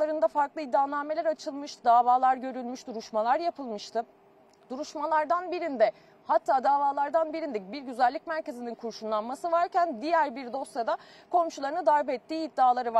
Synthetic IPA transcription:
aɾɯnd̪afaɾklˠɯid̪ːaːlˠanme̞lʲæɾat͡ʃʰɯlˠmɯʃt̪ɯd̪aːvaːlˠaɾɟø̞ɾylʲmyʃd̪uɾuʃmalˠaɾjapʰɯlˠmɯʃt̪ʰɯ | d̪̥uɾuʃmalˠaɾd̪anbiɾind̪ɛ | hat̪ʰːaːd̪aːvaːlˠaɾd̪anbiɾind̪ɛbiɾɟyzælʲːicmæɾce̞zininkʰuɾʃunlˠanmasɯvaɾcænd̪ijæɾbiɾd̪o̞sjad̪a | kʰo̞mʃulˠaɾɯnɯd̪ajbɛt̪ːiːid̪ːaːlˠaɾɯva

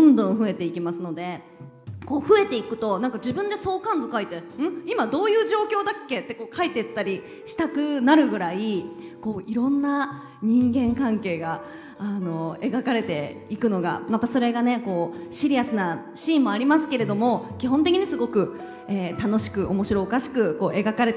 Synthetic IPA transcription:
õnd̪õ̞ɰ̃ɸɯ̟e̞t̪e̞ikʲimasɨno̞d̪e̞ | ko̞ːɸɯ̟e̞t̪e̞ikɯ̟̥t̪o̞nãŋkad͡ʑibɯ̟̃nd̪e̞so̞ːkãnd͡zɨkait̪e̞ɯ̟̃imad̪o̞ːjɯ̟ːʑo̞ːkʲo̞ːd̪akʲːe̞t̪ːe̞ko̞ːkait̪e̞t̪ːaɾʲi | ɕi̥t̪akɯ̟naɾɯ̟ɡɯ̟ɾai | ko̞ːʔiɾõ̞nːa | ɲ̟ĩŋɡẽ̞ŋkãŋke̞ːɡa | ano̞e̞ɡakaɾe̞t̪e̞ikɯ̟no̞ɡa̰mat̪aso̞ɾe̞ɡane̞ko̞ːɕiɾʲiasɨna | ɕĩːmːo̞aɾʲimasɨ̥ke̞ɾe̞d̪o̞mo̞kʲiɦõ̞nt̪̬ekʲiɲ̟isɨɡo̞kɯ̟ | eːt̪ano̞ɕi̥kɯ̟ʔomo̞ɕiɾo̞ːkaɕi̥kɯ̟ko̞ːʔe̞ɡakaɾe̞t̪

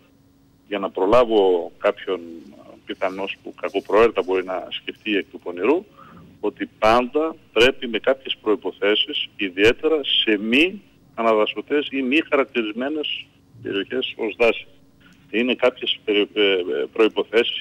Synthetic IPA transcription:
ʝɐnɐpɾo̞lɐvo̞kɐpço̞npiθɐno̞spukɐkopɾo̞eɾt̪ɐbo̞ɾinɐ̰sce̞ft̪iek̚t̪upo̞niɾu | o̞t̪ipɐnd̪ɐpɾe̞pime̞kɐpçe̞spɾo̞ipo̞θe̞sisiðie̞t̪e̞ɾɐse̞mi | ɐnɐðɐso̞t̪e̞simixɐɾɐk̚t̪iɾizme̞ne̞s | t̪ḛɾio̞çe̞so̞zðɐsi̥ | ine̞kɐpçe̞se | pɾo̞ipo̞θe̞si̥s

